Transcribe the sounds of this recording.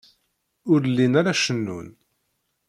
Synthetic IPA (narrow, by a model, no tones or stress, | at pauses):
ʊɾlːinaɾaʃənːṵn